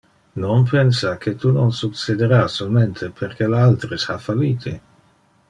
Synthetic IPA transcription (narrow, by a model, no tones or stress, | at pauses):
nonpʰensakʰet̪unonsuksed̪eɾasolment̪ʰepʰerkelaalt̪ɾeshafaliːt̪ʰi